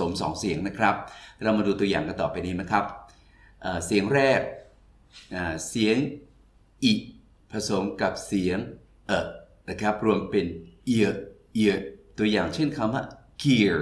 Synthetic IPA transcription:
o˩˦msɔ̰ː˩˦ŋsi˩˦əŋna˦˥kʰɾa˦˥p̚ɾa˧wmaː˧duː˧t̪u˧əjaː˨˩ŋka˧nt̪ɔ̰ː˨˩pːa˧jniː˦˥˩ma˦˥kʰɾa˦˥p̚ | ʔaː˨˩si˩˦əŋɾɛː˥˩k̚ | ʔaː˨˩si˩˦əŋ | ʔi˨˩ʔ | pʰa˧so˨˩˦mka˨˩p̚si˩˦əŋ | ʔə˨˩ | na˦˥˩kʰɾa˦˥p̚ɾu˧əmpe˧nʔi˧˩ə˩ʔi˧˩ət̪u˧əjaː˨˩ŋt͡ɕʰe˥˩nkʰa˧mwa̰˥˩ | kʰi˧˩

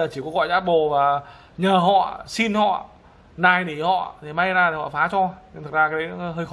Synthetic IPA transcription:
əː˨˩t͡ɕi˧˩kɔ˧˦ɣɔ̰˧˨jzaː˦˥p̚ɓo˨˩vaː˨˩ | ɲəː˨˩ɦɔ̰˧˨si˧nhɔ̰˧˨ | naː˨˩jni˧˩hɔ̰˧˨t̪ʰi˨˩ma˧jzaː˧t̪i˨˩hɔ̰˧˨faː˨˦t͡ɕɔ˧ɲ˧t̪ʰk̚zaː˧kaː˨˦˨jhəː˧jx

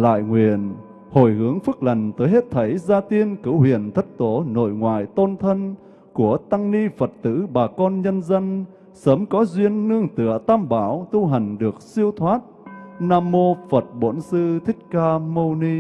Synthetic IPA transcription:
la̰ː˧˨jŋwḭ˨˩˨ən | ho̰˧˩jhɨ˨˦əŋfɨ˦˥k̚la˨˩jŋ̟t̪əː˨˦jɦe˦˥t̚t̪ʰə˨˦jzaː˧t̪i˧ənkɨ˧˩whwḭ˧˨ənt̪ʰə˦˥t̚t̪o˨˦no̰˧˨jŋwa̰ː˧˨jt̪o˧nt̪ʰə˧n | ku˧˩ət̪a˧ŋni˧fə˨˩t̚t̪ɨ̰˧˥ɓaː˨˩kɔ˧nɲə˧nzə˧n | səː˨˦mkɔ˨˦zwi˧ənːɨ˧əŋt̪ɨ̰˧˨ət̪aː˧mɓaː˧˩wt̪u˧ɦa˨˩jŋ̟ɗɨ˨˩ək̚si˧əwt̪ʰwaː˦˥t̚naː˧mːo˧fə˨˩t̚ɓo˧˥nsɨ˧t̪ʰï˦˥k̟̚kaː˧mo˧wni˧

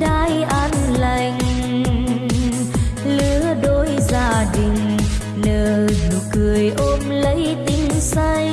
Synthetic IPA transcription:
ɗaː˧˦jʔa˧nla˧˩ŋ̟ | lɨ˨˦əɗo˨˦jzaː˧˩ɗi˨˩ŋ̟ | ləː˨˩zu˨˩kɨ˨˩əjʔo˧mlə˨˦jt̪i˨˧˦nsa˧j

